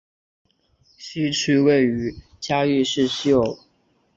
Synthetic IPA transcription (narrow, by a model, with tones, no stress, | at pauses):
ɕy˥ʈ͡ʂ̩ʰ˥we˥˩ɪy˧˥ | t͡ɕja˥y˥˧ʂɻ̩˥˧ɕjo˥˩ʊ